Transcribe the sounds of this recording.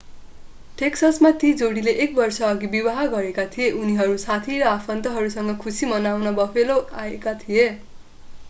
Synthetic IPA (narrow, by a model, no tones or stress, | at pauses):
ʈeksʌsmat̪id͡zoɽileʔek̚bʌrsʌːɡibiwaɦaɡʌɾekat̪ʰijeʔuniɦʌɾusat̪ʰiɾʌapʰʌnt̪ʌɦʌɾusʌŋɡʌkʰusimʌnawnʌbʌpʰeloaekat̪ʰije